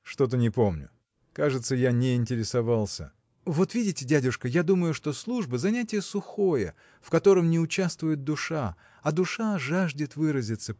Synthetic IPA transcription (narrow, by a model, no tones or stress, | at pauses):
ʂt̪o̞t̪̬ənʲɪpo̞mnʲʊ̰ | kaʐɨt̪səjanʲɪɪnʲtʲɪɾʲɪsɐvalˠsʲə̰ | vo̞t̪vʲidʲɪtʲɪdʲædʲʊʂkəjad̪uməjʊʂt̪o̞slˠuʐbəzɐnʲætʲɪjəsʊxo̞jə̰ | fkɐt̪o̞ɾəmnʲɪʊt͡ɕast̪vʊjɪt̪̚d̪ʊʂa | ɐd̪ʊʂaʐaʐdʲɪt̪vɨɾəzʲɪt̪sə